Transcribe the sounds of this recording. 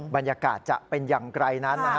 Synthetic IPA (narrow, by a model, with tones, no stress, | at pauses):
ba˧njaː˧kaː˨˩t̪̚t͡ɕa̰˨˩pe˧njaː˨˩ŋkɾa˧jna˦˥nːa˧ɦa˦